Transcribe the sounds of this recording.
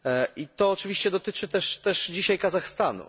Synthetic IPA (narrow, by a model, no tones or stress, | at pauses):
it̪ɔːt͡ʂɘvʲiɕt͡ɕɛd̪ɔt̪ɘt͡ʂɘt̪ɛʂt̪ɛʂd͡ʑiɕajkazaxst̪anṵ